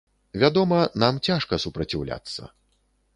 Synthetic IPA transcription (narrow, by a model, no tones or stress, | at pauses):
vʲad̪ɔmɐnamt͡sʲaʂkɐsupɾɐt͡sʲiwlʲa̰t̪sːɐ̰